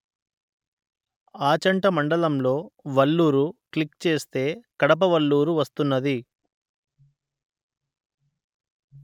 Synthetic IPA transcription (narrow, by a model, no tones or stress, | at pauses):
aːt͡ʃɐɳʈɐmɐɳɖɐlɐmlo̞ːʋɐlːuːɾuklikt͡ʃe̞ːst̪e̞ːkɐɽɐp̬ɐʋɐlːuːɾuʋɐst̪unːɐd̪i